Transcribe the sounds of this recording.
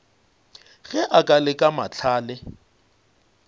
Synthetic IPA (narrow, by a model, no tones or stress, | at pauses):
ɣɛʔakʼalɪkʼamat͡ɬʰaːlɪ